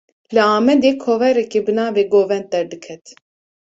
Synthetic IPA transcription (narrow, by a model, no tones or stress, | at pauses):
lɨaːmɛd̪eːkʰoːvɛɾɛkebɨnaːveːɡoːvɛnt̪̚ːɛɾd̪ɨkʰɛt̪